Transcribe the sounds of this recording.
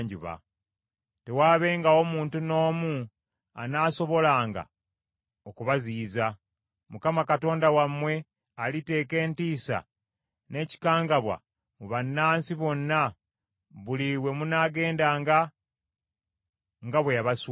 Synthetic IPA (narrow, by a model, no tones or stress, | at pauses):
ɲɟuβa̰ | te̞waːβe̞ŋɡao̞muːntuno̞ːmu | a̰naːso̞βo̞laːŋɡa̰ | okuβaziːza | mukamakato̞ːndawamwe̞ | alite̞ːke̞ːntiːsa̰ | ne̞ci̥kaːŋɡaβwa̰ | muβanːaːnsiβo̞nːa | βuliwe̞munaːɡe̞ːndaːŋɡa | ŋɡaβwejaβas